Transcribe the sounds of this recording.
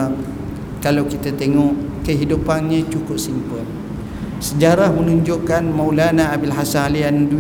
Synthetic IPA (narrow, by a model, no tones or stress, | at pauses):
kalawkit̪at̪eŋɔʔ | kəɦidupanɲə̃t͡ʃukʊp̚simpəl | səd͡ʒaɾahmənuɲd͡ʒʊʔkanmawlanaːbilɦasanaliandu